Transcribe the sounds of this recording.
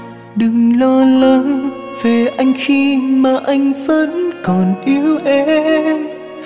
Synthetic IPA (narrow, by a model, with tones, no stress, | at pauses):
ɗɨ˨˩ŋlɔ˧lə˧ | ve˨˩ʔa˧jŋ̟xi˧maː˨˩ʔa˧jŋ̟fə˧˦˥nkɔ˨˩nʔi˨˧˦wʔe˧˦